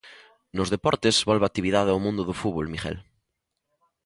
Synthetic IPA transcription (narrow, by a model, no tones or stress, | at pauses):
nozðepɔɾt̪ezβolβat̪ːiβiðaðawmũnd̪ʊðofuβolmixɛ̰l